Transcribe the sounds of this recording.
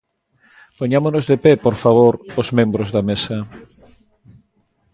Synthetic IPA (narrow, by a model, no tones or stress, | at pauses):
poɲamonozðepepoɾfaβoɾozmẽmbɾozðɐmesɐ